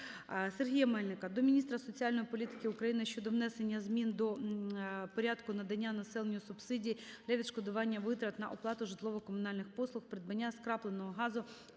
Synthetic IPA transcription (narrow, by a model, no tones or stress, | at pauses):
serɦʲijɐmɛlʲnɪkɐd̪ɔmʲinʲist̪ɾɐsɔt͡sʲiɑlʲnɔjipɔlʲit̪ɪ̥kɪʊkɾɐjinɪʃʲt͡ʃɔd̪ɔʋnɛsenʲːɐzmʲind̪ɔ | pɔɾʲad̪kʊnɐd̪ɐnʲːanɐsɛlˠenʲjʊsʊbsɪdʲijid̪lʲɐʋʲid̪ʃkɔd̪ʊʋɑnʲːɐʋɪt̪ɾɐt̪nɐʔɔplˠɑt̪ʊʒɪt̪lˠɔʋɔkɔmʊnɑlʲnɪxpɔslˠʊxpɾɪd̪bɐnʲːaskɾɑplˠenɔɦɔɦɑzʊ